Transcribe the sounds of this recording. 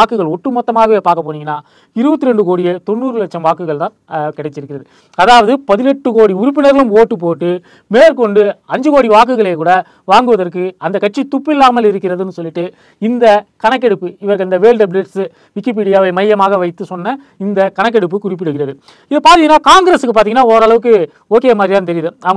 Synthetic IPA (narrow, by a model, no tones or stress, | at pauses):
aːkɯɣɐɭɔʈːɯmɔt̪ːɐmaːɣɐʋeːpaːɾkɐpːoːɽɪŋɡɐnːaː | ɪɾɯbɐt̪ːɪɾɛɳɖɯkoːɽɪjɐt̪ɔnːuːɾɯlɐk̚ʂɐmʋaːkɯɣɐɭt̪ãːnkɪɽɛt͡ʃːɪɾɯkːɪɾɐðɯ | ɐðaːʋɐðɯpɐðɪnɛʈːɯkoːɽiʊɾʊp̬ːɪnɐɾɪlɯmoːʈːɯp̬ːoːʈːɯ | meːɾkɔɳɖɯɐɲd͡ʒɯkoːɽiʋaːk̬ɯɣɐɭeːkuːɽɐ | ʋaːŋɡɯʋɐðɐɾkɯɐnd̪ɐkːɐʈ̚t͡ʃit̪ʊpːɪlːaːmɐlɪɾɯkːɪɾɐðɯnːɯsɔlːɪʈːɯ | ɪnd̪ɐkɐɳɐk̬ːɛɽɯpːɯɪʋɐɾɯkːɐnd̪ɐʋeːlɖɐbɾeʈs | ʋɪkːip̬iːɽɪjaːʋɐɪmɐjːɐmaːɣɐʋɐɪt̪ːɯsɔnːɐ | ɪnd̪ɐkɐɳɐk̬ːɛɽɯp̬ːɯkʊrɪp̬ːɪɽɯɣɪɾɐðɯ | ɪðɐpaːɾt̪iŋɡɐnːaːkaːŋɡɾesɯkːɯpaːɾt̪iːŋɡɐnːaːɔɾɐɭɐʋɯk̬ːɯ | oːkeːjɐmaːd̪ɾit̪aːnt̪ɛɾɪjðɯɐ